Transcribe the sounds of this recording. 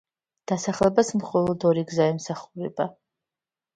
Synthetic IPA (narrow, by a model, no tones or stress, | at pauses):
d̪̥asaχlɛbasmχɔlˠɔd̪ɔɾiɡzaɛmsaχuɾɛ̰ba